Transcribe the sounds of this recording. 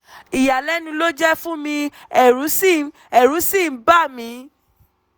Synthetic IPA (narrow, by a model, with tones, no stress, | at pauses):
i˨ja˨lɛ˦nũ˧lo˦d͡ʒɛ˦fũ˦mĩ˧ | ɛ˦˨ɾũ˨˦sĩ˦˨˦ | ɛ˦˨ɾũ˨˦sĩ˦˨m̩˦ba˦˨mĩ˨˧˦